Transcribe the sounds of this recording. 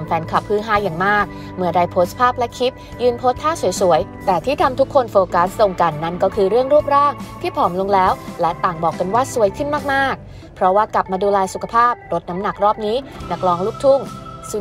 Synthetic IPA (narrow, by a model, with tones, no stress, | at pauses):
mfɛː˧nkʰa˨˩pʰːɯː˥˩nɦaː˥˩jaː˨˩ŋmaː˥˩k̚ | mɯ˨˩əda˧jpʰoː˦˥spʰaː˥˩p̚lɛ˦˥kʰi˦˥p̚ | jɯː˧npʰoː˦˥t̪ʰːaː˥˩su˩˦jsu˨˩˦əj | t̪ɛː˨˩t̪ʰiː˥˩t̪ʰa˧mt̪ʰu˦˥kʰːo˧nfoː˧ka˦˥sːo˨˩ŋka˧nːa˦˥˩nkɔː˥˩kʰɯː˧ɾɯ˥˩əŋɾu˥˩əp̚ɾaː˥˩ŋt̪ʰiː˥˩pʰɔː˩˦mlo˧ŋlɛː˦˥wlɛ˦˥t̪aː˨˩ŋbɔː˨˩kːa˧nwaː˥˩su˨˧˩əjkʰɯ˥˩nmaː˥˩k̚maː˥˩k̚ | pʰɾɔ˦˥waː˥˩kla˨˩p̚maː˧duː˧lɛː˧jsu˨˩kʰa˧pʰaː˥˩p̚ɾo˦˥t̪̚na˦˥mna˨˩k̚ɾɔː˥˩p̚niː˦˥na˨˥k̚lɔː˧ŋluː˥˩k̚t̪ʰu˥˩ŋsu˧